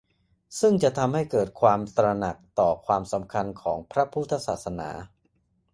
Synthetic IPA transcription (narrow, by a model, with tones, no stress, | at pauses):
sɯ˥˩ŋt͡ɕa˨˩ʔt̪ʰa˧mha˥˩jkɤː˨˩t̪̚kʰwaː˧mt̪ɾa˧na˨˩k̚t̪ɔː˨˩kʰwaː˧msa˩˦mkʰa˧nkʰɔː˩˦ŋpʰɾa˦˥pʰu˥˩t̪ʰːa˧˥saː˨˩sa˧na̰ː˩˦